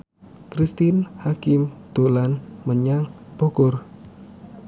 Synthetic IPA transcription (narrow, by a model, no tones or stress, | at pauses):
kɾist̪inhakɪmd̪̥o̤lanməɲalb̥okʊr